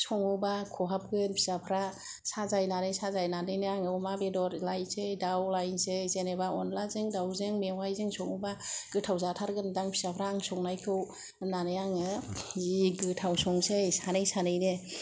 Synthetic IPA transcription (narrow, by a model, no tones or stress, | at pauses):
sɔŋubakʰɔɦap̚ɡɯnpʰi̥sapʰɾa | sazajnanɯjsazajnanɯnɯaŋɯmabedɔɾlajsejdawlajnsezenebaɔnlazɯŋdawzɯŋmewajzɯŋsɔŋubaɡ̥ɯtʰawzatʰaɾɡɯndaŋpʰi̥sapʰɾaːŋsɔŋnajkʰɯw | nanɯjaŋɯziɡɯtʰawsɔŋsejsanɯjsanɯjnɯ